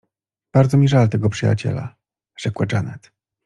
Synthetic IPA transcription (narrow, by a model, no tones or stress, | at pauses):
b̥aɾdzɔmʲiʐalt̪ɛɡɔpʂɘja̰t͡ɕɛ̰la̰ | ʐ̥ɛkwaɖ͡ʐanɛt̪